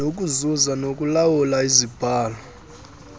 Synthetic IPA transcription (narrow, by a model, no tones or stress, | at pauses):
ok̬ʼuzuzanok̬ʼulawulaizib̥ʱaːlɔ